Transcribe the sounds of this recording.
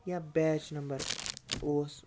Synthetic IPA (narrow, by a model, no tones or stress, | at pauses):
jabɛːd͡ʒnɐ̃mbəɾoːs